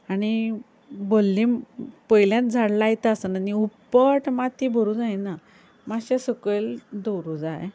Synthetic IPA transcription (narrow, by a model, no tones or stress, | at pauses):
aɽ̃i | bolːĩpəjljãt̪̚d͡zʱaɽlajt̪aːsənaniupːəʈmat̪ibəɾũd͡zajna | maɕesəkeld̪owɾud͡zaj